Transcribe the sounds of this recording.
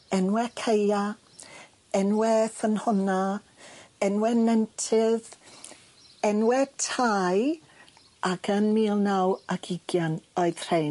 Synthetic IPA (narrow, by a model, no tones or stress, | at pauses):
ɛnwɛkʰeja | ɛnwɛθənhʊna | ɛnwɛnɛntʰɪð | ɛnwɛtʰaj | akʰənmiːlˠnawaɡɪɡjanɔɨð̥r̥ej